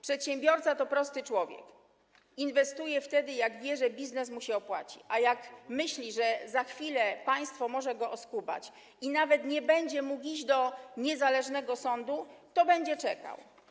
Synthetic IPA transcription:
pʂɛt̪ɕɛmbʲjɔɾt̪sat̪ɔpɾɔst̪ɘt͡ʂwɔvʲjɛ̰k | invɛst̪ujɛft̪ɛd̪ɘjaɡvʲjɛʐɛbʲiznɛsmuɕɛɔpwa̰t͡ɕḭʔajakmɘɕlʲiʐɛzaxfʲilɛpaj̃st̪fɔmɔʐɛɡɔʔɔskuba̰t͡ɕ | inavɛt̪ɲɛbɛɲd͡ʑɛmukid͡ʑd̪ɔɲɛzalɛʐnɛɡɔsɔnd̪ut̪ɔbɛɲd͡ʑɛt͡ʂɛka̰w

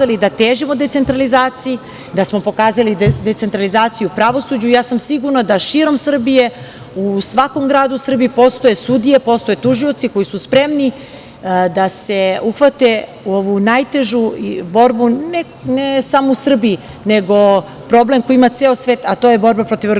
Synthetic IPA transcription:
alid̪at̪eːʒimo̞d̪e̞t̪se̞nt̪ɾalizaːt̪siji | d̪asmo̞po̞kaːzalid̪et̪se̞nt̪ɾalizaːt̪sijupɾaʋo̞sud͡ʑujaːsamsiɡuɾnad̪aʃiɾo̞msr̩bije̞ | usʋakomɡɾaːd̪usr̩biːpo̞st̪o̞je̞sud̪ije̞po̞st̪o̞jet̪uʒio̞t̪siko̞jisuspɾe̞mni | d̪ase̞uxʋat̪e̞ | uo̞ʋunajt̪e̞ʒubo̞ɾbune | nesamousr̩bii | ne̞ɡo̞ | pɾo̞ble̞mkojiimat̪seːosʋeːt̪at̪o̞ːje̞bo̞ɾbapɾo̞t̪iʋr

